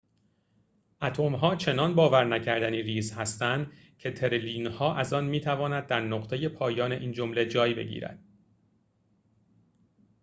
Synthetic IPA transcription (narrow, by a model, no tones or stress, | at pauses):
ʔæt̪ʰomɦɒːt͡ʃʰe̞nɒnbɒːvæɾnæcʰæɾd̪æniːɾiːzhæst̪ænd̪ | cʰe̞t̪ʰe̞ɾeliːnhɒːʔæzɒnmiːt̪ʰævɒːnæd̪ːæɾnoɢt̪ʰe̞je̞pʰɒːjɒːne̞ʔiːnd͡ʒo̞mle̞d͡ʒɒːjbe̞̰ɟḭːɾæ̰d̪̥